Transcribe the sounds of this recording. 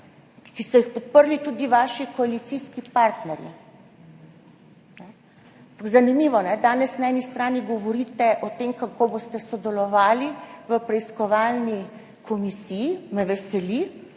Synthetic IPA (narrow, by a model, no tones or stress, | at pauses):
kisɔjixpɔt̪̚pəɾlit̪ud̪iʋaːʃikoalit̪siskipaɾt̪nɛɾjḭ | nɛ | apakzanimiːʋɔnɛd̪aːnɛsnaɛnist̪ɾaːniɡɔʋɔɾiːt̪ɛʔɔt̪emkakoboːst̪ɛsɔd̪ɛlɔʋaːliʋəpɾɛiskɔʋaːlni | kʰɔmisiːjːmɛʋɛsɛli